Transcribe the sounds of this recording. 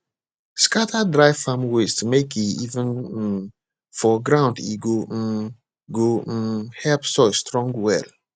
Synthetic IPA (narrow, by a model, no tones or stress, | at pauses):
skatʰadɹaɪfãmwestmekiivə̃n̩ | fɔɡɹãʊ̃ndiɡo | ɡohɛlpsɔstɹɔ̃ŋɡwɛ̰l